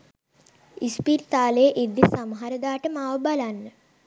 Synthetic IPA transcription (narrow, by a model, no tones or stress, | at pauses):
ispiɾt̪aːləjəʔid̪ːisamɦaɾəd̪aːʈəmaːʋəbalanːə